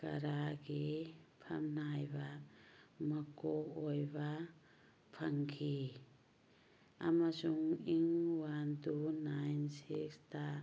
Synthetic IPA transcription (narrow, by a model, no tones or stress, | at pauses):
ka̰ɾaɡipʰamnajba | makoojba | pʰaŋkʰi | a̰masuŋiŋwantunajnsiksta